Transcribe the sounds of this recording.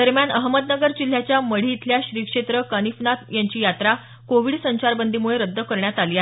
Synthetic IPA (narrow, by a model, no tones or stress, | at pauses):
əɾmjanəɦməd̪nəɡəɾd͡ʑil̤ːjat͡ɕjaməɽ̤iːt̪ʰljaɕɾiːkʂet̪ɾəkənifnat̪jaɲt͡ɕiːjat̪ɾa | koʋiɽsəɲt͡ɕaɾbənd̪ʱimuɭeɾəd̪ʱːəkəɾɳjat̪aliːaɦ